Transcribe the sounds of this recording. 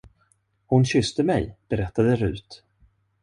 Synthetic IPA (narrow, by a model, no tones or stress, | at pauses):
hʊnɕʏst̪əmɛ̰jb̥ɛɾɛt̪ːad̪əɾʉ̟̰ːt̪